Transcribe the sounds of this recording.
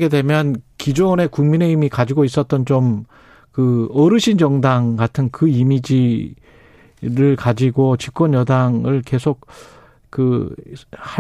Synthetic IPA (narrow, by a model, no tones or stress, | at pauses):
ɡe̞dwe̞mjʌnkid͡ʑone̞kuŋmine̞imikad͡ʑiɡois͈ʌt̚t͈ʌnt͡ɕom | kɯʌɾɯɕʰind͡ʑʌŋdaŋkatʰɯnkɯimid͡ʑi | ɾɯɭkad͡ʑiɡot͡ɕik̚k͈wʌnjʌdaŋɯɭke̞sʰok̚ | kɯ | ha